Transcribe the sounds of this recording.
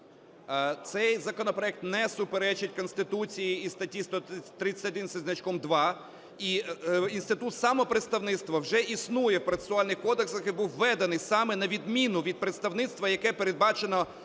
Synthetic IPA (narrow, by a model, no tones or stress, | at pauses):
t̪sɛjzɐkɔnɔpɾɔɛk̚t̪nɛsʊpeɾɛt͡ʃɪtʲkɔnst̪ɪt̪ut͡sʲijiist̪ɐtʲːist̪ɔt̪ɾɪsʲɐd̪ɪnsʲɐzʲnɐt͡ʃkɔmd̪ʋɑ | iinst̪ɪt̪ut̪sɑmɔpɾet̪st̪ɐwnɪt̪st̪ʋɐwʒɛʔisnujɛwpɾɐt̪e̥sʊɑlʲnɪxkɔd̪eksɐxibuwːɛd̪ɐnɪjsɑmɛnɐʋʲid̪mʲinʊʋʲid̪̚pɾet̪st̪ɐwnɪt̪st̪ʋɐjɐkɛpeɾed̪̚bɑt͡ʃenɔ